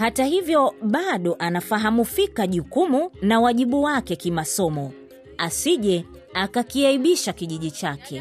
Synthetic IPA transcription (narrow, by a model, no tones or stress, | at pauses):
hatahivjɔɓaɗɔʔanafaɦamufikaʄukumunawaʄiɓuwakɛkimasɔmɔ | asiʄɛ | akakiaiɓiʃakiʄiʄit͡ʃakʰɛ